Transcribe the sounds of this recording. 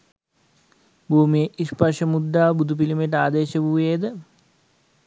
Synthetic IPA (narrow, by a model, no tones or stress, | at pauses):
bʱuːmijeʔiʂpɐʂɐmud̪ːaːbud̪ʱup̬ilimeʈaːd̪eːɕəbʱuːjeːd̪ə